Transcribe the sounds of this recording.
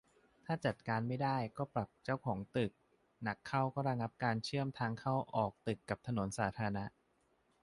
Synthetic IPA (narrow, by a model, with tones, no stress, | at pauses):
t̪ʰaː˥˩t͡ɕa˨˩t̪̚kaː˧nma˥˩jdaː˥˩jkɔː˥˩pɾa˨˩p̚t͡ɕa˥˩wkʰɔː˩˦ŋt̪ɯ˨˩k̚ | na˨˦˩kʰːa˥˩wkɔː˥˩ɾa˧ŋa˦˥p̚kaː˧nt͡ɕʰɯ˥˩əmt̪ʰaː˧ŋkʰa˥˩wʔɔː˨˩k̚t̪ɯ˨˩kːa˨˩p̚t̪ʰa˧no˩˦nsaː˩˦t̪ʰaː˧a˧na˦˥ʔ